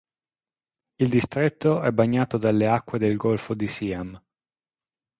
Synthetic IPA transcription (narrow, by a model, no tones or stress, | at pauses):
ild̪ist̪ɾet̪ːoɛbːaɲːaːt̪od̪alːeakːwed̪elɡolfod̪isiːam